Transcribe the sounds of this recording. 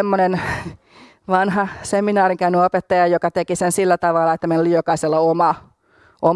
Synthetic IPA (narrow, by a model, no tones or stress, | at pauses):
mːonen | ʋɑnhɑseminɑːriŋkæynyopet̪ːɑjɑjokɑt̪ekisensilːæt̪ɑʋɑlːˑɑet̪ːæmenlːijjokɑiselːɑomɑ | ʔom